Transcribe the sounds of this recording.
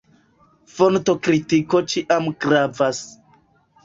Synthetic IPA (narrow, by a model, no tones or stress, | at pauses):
fonto̞kɾitiko̞t͡ʃiʔamɡɾavas